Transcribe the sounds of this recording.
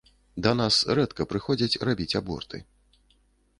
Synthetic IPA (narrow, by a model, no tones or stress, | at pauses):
d̪ɐn̪asɾɛt̪kɐpɾɨxɔd͡zʲɐt͡sʲrabʲit͡sʲabɔ̰rt̪ɨ̰